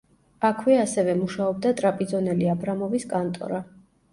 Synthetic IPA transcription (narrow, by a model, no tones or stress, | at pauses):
akʰwɛasɛvɛmuʃaɔb̚d̪at̪ʼɾapʼid̪zɔnɛliabɾamɔviskʼant̪ʼɔ̰ɾa